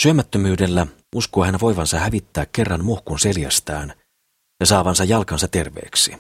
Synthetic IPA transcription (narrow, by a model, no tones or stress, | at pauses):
syømæt̪ːømyːde̞lːæ | uskoːhænʋo̞jʋɑnsɑhæʋit̪ːæːkkːe̞rːɑnmohkunse̞ljæ̰st̪æːn | jɑsɑːʋɑnsɑjːɑlkɑnsɑt̪e̞rʋe̞̰ːksi